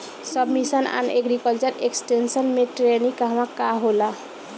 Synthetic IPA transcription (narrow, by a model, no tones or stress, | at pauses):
səbmisəna̰nḛɡɾikəlt͡ʃəɾeksʈensənmeʈɾenikaɦmãkaɦola